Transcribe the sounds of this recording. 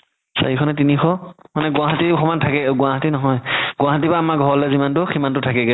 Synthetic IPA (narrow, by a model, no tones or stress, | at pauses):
sa̰ɹikʰɔnɛt̬inixɔmanɛɡʊ̃aɦatixʰɔmantʰakɛɡʊwaɦatinɔɦɔjɡʊwaɦat̬ipaːmaɡʱɔɹɔlɛzimantʊximantʊtʰakɛɡɛ